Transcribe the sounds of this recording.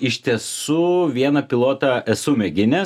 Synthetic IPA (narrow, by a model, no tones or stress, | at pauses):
ɪʃʲt̪ʲiɛsuʋʲiɛnɐpʲɪlˠoːt̪ɐʔɛsʊmʲɛɡʲɪnʲɛ